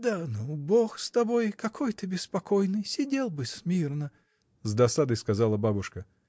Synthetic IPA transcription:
d̪anuboxst̪ɐbojkɐkʰo̞jt̪ɨbʲɪspɐkojnɨjsʲɪdʲelˠbɨsʲmʲirnə | zd̪ɐsad̪əjskɐzalˠəbabʊʂkə

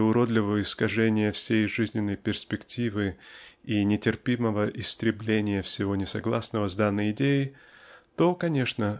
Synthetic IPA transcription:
ʊɾod̪lʲɪvəvəɪskɐʐɛnʲɪjəfsʲejʐɨzʲnʲɪnːəjpʲɪrspʲɪktʲivɨinʲɪtʲɪrpʲiməvəʔɪst̪ɾʲɪblʲenʲɪjəfsʲɪvo̞nʲɪsɐɡlˠasnəvəzd̪anːəjɪdʲejɪ | t̪o̞kɐnʲe̞ʂnə

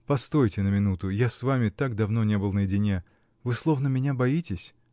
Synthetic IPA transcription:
pɐst̪o̞jtʲɪnəmʲɪnut̪ʊjasvamʲɪt̪aɡd̪ɐvno̞nʲe̞bɨlˠnəjɪdʲɪnʲe | vɨslˠo̞vnəmʲɪnʲabɐitʲɪsʲ

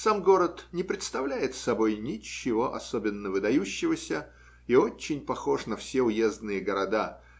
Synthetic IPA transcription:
samɡo̞ɾət̪nʲɪpɾʲɪt̪st̪ɐvlʲæjɪt̪sɐbo̞jnʲɪt͡ɕːɪvo̞ʔɐ̰sobʲɪnːəvɨd̪ɐjuɕːɪvəsʲə | iot͡ɕːɪnʲpɐxo̞ʂnəfsʲeʊjezd̪nɨjəɡəɾɐd̪a

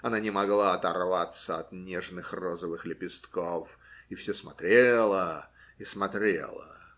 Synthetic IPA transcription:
ɐnanʲɪmɐɡlˠaɐt̪ɐrvat̪səɐt̪nʲeʐnɨxrozəvɨxlʲɪpʲɪst̪kofifsʲosmɐt̪ɾʲelˠə | ismɐt̪ɾʲḛlˠə̰

